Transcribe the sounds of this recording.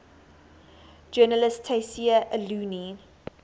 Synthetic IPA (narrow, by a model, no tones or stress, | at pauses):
d͡ʒɜːnəlɪstʰesiəʔəluːni